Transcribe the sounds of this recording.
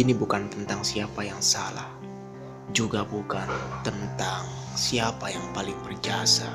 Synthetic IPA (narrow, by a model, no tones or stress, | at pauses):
inibukant̪ənt̪aŋsiapajaŋsala̰h | d͡ʒuɡabukant̪ənt̪aŋsiapajaŋpalɪŋbərd͡ʒasa